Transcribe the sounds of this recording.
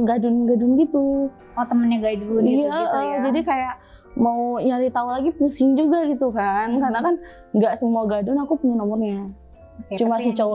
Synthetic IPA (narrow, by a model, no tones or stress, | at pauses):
ɡadʊnɡadʊnɡit̪u | ɔt̪əmənɲaɡadunijaʔəd͡ʒadikajaʔ | mauɲaɾit̪aulaɡipusɪŋd͡ʒuɡaɡit̪ukankarnakan | ŋɡaʔsəmuaɡadʊnakupuɲanɔmɔrɲa | t͡ʃumasit͡ʃə